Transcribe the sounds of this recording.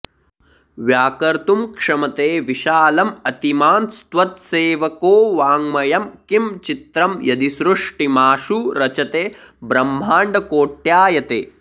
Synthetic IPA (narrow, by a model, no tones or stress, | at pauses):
ʋjaːkɐɾt̪umkʂɐmɐt̪eːʋiʃaːlɐmɐt̪imaːnst̪wɐt̪seːʋɐkoːʋaːŋmɐjɐmkimt͡ʃit̪ɾɐmjɐd̪isɾuʂʈimaːʂuɾɐt͡ʃɐt̪eː | bɾɐm̤ːaːɳɖɐkoːʈjaːjɐt̪eː